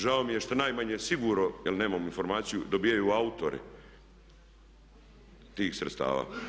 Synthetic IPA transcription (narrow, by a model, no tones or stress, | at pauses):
ʒaomijeʃt̪anaːjmaɲesiɡuːɾnojelne̞ːmaminfo̞ɾmaːt̪sijud̪obijajuaut̪oɾʔḛ | t̪iːxsɾet̪st̪a̰ːʋa̰ː